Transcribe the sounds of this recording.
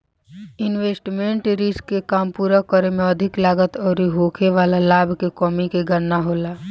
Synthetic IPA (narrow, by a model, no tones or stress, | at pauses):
ɪnʋeːsʈmẽɳʈɾɪskːekaːmpuːɾakəɾemẽəd̪ʱɪklaːɡət̪ɔːɾiɦoːkʰeʋaːlalaːbʱkekɔːmikeɡəɾnaɦoːlaː